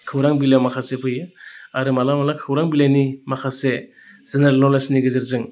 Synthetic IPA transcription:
kʰɯwɾaŋbilawmakʰasepʰɯjɯaɾɯmalamalakʰɯwɾaŋbilanimakʰase | z̥eneɾalnɔlasniɡɯzɯɾzɯŋ

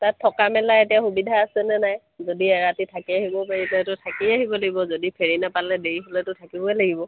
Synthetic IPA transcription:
tatʰːɔkamɛlaetijaxubidʱaːsɛnɛnaj | zodiɛɹatitʰakiaɦibɔpaɹitatʊtʰakiaɦibɔlaɡibɔzodipʰeɹinapalːɛdeɹiɦolɛtʊtʰakibɔɛlaɡibɔ

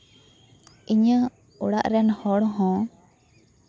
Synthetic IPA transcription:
iɲə | uɽaʔɾɛnhɔɽɦɔ̃

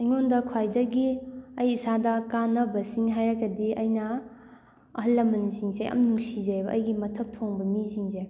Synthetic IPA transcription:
ɐjŋondɐkʰajdɐɡiɐjisadɐkanɐbɐsiŋɦajɾɐkːɐdiɐjnɐː | ɦɐlːɐmɐnisiŋsejʔɐ̰mnuŋsizajbɐʔɐ̰jɡimɐtʰɐp̚tʰoŋbɐmisiŋzeɐ

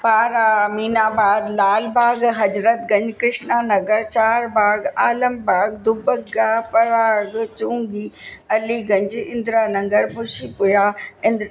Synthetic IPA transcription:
paːɾaːmiːnaːbaːd̪laːlbaːɡɦɐd͡ʑɾət̪ɡɐ̃ɲd͡ʑkɾɪʃnaːnɐɡəɾt͡ɕaːɾbaːɡaːləmbaːɡd̪ʊbəkɡaːpɐɾaːɡt͡ɕũːŋɡiːɐliɡɐ̃ɲd͡ʑɪ̃nd̪ɾaːnɐ̃ŋɡəɾbʊʃipʊjaːɪ̃nd̪ɾ

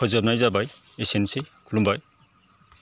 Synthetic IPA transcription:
kʰɔzab̚najzabaj | esensekʰulumbaj

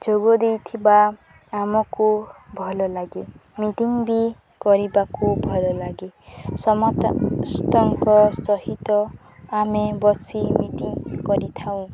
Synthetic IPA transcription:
d͡ʒoɡɔd̪ejt̪ʰiba | amɔkubʱɔlɔlaɡimiʈiŋbi | kɔɾibakubʱɔlɔlaɡisɔmɔt̪st̪ɔŋkɔst̪ɔɦit̪ɔ | amebɔsimiʈiŋkɔɾit̪ʰaw̃

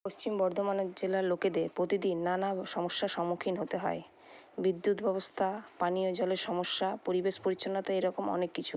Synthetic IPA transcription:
post͡ɕimbɔɾd̪ʱomaneɾd͡ʑelaɾloked̪eɾpɾot̪id̪inːanaʃɔmoʃːaʃɔmːukʰinɦot̪eɦɔ̰e | bid̪ːut̪bɛbost̪ʰapanijod͡ʑɔleɾʃɔmoʃːapoɾibeʃpoɾit͡ɕʰːonːat̪aeɾɔkomɔ̰nekːit͡ɕʰu

